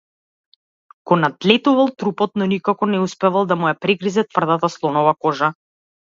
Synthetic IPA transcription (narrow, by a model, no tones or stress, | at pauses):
kɔnat̪lɛt̪uvalˠt̪ɾupɔt̪̚nɔnikakɔnɛuspɛvalˠd̪amujapɾɛɡɾizɛt̪vrd̪at̪aslˠɔnɔvakɔʒa